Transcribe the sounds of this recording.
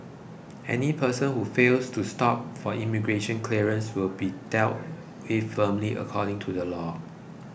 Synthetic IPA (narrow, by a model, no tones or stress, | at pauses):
ʔɛ̰nipʰəsə̃nhufelstʰustɔp̚fɔimiɡɹeʃə̃nkʰliəɹə̃nswɪlbidɛlt̚ | wɪfəmliʔə̰kʰɔɾɪ̃ŋtʰudəlɔ